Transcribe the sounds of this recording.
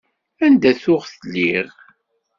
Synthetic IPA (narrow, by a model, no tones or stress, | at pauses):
ænd̪æθʊʁθəlːiʁ